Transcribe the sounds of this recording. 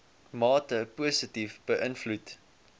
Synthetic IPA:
mɑːtəpuəsətifb̥əʔənflut

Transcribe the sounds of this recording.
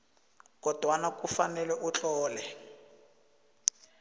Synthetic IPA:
kɔd̥ʱwanakufanɛlɛʔut͡ɬʼɔːlɛ

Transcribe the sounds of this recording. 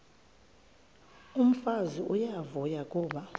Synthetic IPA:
um̩faziʔujavɔjak̬ʼɔːɓa

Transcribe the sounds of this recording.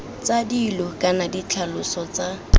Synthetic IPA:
t͡sadiːlɔkʼanadit͡ɬʰalʊsɔt͡sa

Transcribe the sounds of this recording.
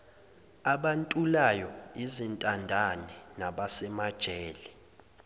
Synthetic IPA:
aɓantʼulajɔizintʼandʱanɛnaɓasɛmad̥ʒ̥ʱɛːlɛ

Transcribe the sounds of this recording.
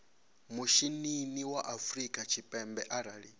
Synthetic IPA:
muʃininiwaʔafɾikʼat͡ʃʰipʼɛmbɛʔaɾaːɺi

